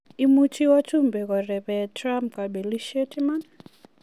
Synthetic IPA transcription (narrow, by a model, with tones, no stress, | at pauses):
i˦mu˦t͡ʃi˦wa˦tu˦mbɛ˨kɔ˨rɛ˨pɛtrampka˨ɓe˨li˦ʃetʰi˦man